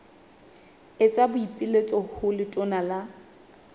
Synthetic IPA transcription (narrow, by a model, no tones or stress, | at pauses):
et͡sʼabʊipʼilet͡sʼɔhʊlɪtʼɔnala